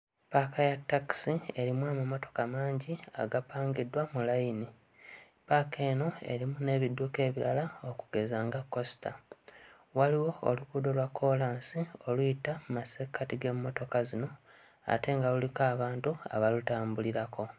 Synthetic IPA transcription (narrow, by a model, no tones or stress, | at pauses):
paːkʰajatːaki̥sie̞ɾimwaːmumoto̞̥kamaːɲɟia̰ɡapaːŋɡidwamulajini | paːke̞ːno̞e̞̰ɾimune̞ːβidːuke̞ːβiɾalaokuɡ̥e̞zaːŋɡakːo̞si̥ta̰ | waliwo̞̰ːlukuːdo̞lwakʰːo̞laːnsio̞luitamumasekːatiɡe̞mumo̞to̞kazino̞ | a̰te̞ŋɡalulikaːβaːntua̰βalutaːmbuliɾakʰo̞